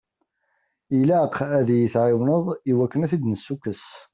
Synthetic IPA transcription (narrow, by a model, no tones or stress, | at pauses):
ilæqʰæðjiθʕɪwnəðˤiwækːənæθid̪nəsːukːəs